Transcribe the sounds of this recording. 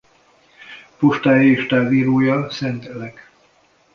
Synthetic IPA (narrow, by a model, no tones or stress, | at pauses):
puʃt̪aːjiːʃt̪aːviːɾoːjɒsɛnt̪ɛlɛk